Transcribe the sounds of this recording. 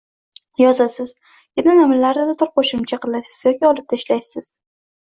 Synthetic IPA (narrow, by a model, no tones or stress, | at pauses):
jɒzasɪz̥ | ɡ̥ʲɪnanamɪlaɾnɪd̪at̪ʰʊɾqʰoʃɪmt͡ʃʰaqʰɨlˠasɪz̥jɒkʲʰiɒlˠɪp̚d̪̥ʰaɪʃlajsɪz̥